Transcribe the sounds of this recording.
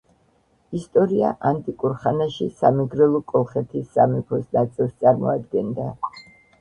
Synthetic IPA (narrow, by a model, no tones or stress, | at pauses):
ist̪ʼɔɾia̰ʔant̪ʼikʼuɾχanaʃisamiɡɾɛlˠɔkʼɔlˠχɛt̪ʰisːamipʰɔsnat̪sʼilˠst̪sʼaɾmɔ̰ad̪ɡɛnd̪a